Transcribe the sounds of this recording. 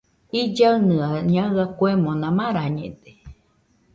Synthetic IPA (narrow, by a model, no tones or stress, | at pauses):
id͡ʒaɨnɨaɲaakwemõnãmãɾaɲḛ̃d̪e̥